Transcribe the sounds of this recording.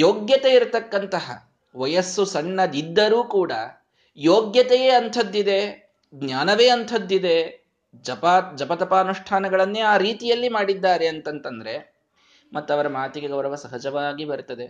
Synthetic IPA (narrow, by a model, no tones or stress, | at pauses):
joːɡjɐt̪eiɾt̪ɐkːɐnt̪ɐɦɐ̰ | ʋɐjɐsːusɐɳːɐd̪id̪ːɐɾuːkuːɽɐ | joːɡjɐt̪ejeːɐnt̪ʰɐd̪ːid̪e̞ | ɡnjaːnɐʋeːɐnt̪ʰɐd̪ːid̪e̞ | d͡ʒɐpad͡ʒɐpɐt̪ɐpaːnuʂʈʰaːnɐɡɐɭɐnːeːaːɾiːt̪ijɐlːimaːɽid̪ːaːɾeɐnt̪ɐnt̪ɐnd̪ɐɾe̞ | mɐt̪ːɐʋɐɾɐmaːt̪iɡeɡɐwɾɐʋɐsɐɦɐd͡ʒɐʋaːɡibɐɾt̪ɐd̪e̞